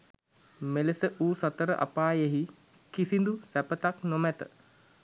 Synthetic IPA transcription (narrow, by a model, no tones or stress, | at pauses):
melesəʔuːsɐt̪əɾə̰ʔa̰paːjeɦi | kisind̪usæpət̪aknomɛt̪ə̰